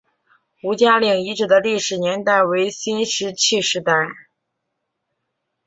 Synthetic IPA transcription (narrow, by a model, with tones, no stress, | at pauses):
u˧˥t͡ɕja˥li˨˩ŋi˧˥ʈ͡ʂɻ̩˨˩d̪ə˦li˥˩ʂɻ̩˨˩njɛ˧˥nt̪a˥˩ɪwe˧˥ɪɕi˥nʂɻ̩˧˥t͡ɕʰi˥˧ʂɻ̩˧t̪a˥˩ɪ